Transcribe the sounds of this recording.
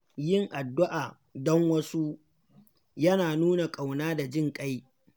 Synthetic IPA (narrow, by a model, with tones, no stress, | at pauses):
jɪ˦˨ŋʔa˨dːʊ˦ʔaː˨ | dɔ˦ŋwɐ˦su˦ | jɐ˦naː˨nuː˦na˨kʼa˨wnaː˦da˨d͡ʒɪ˦ŋkʼa˦j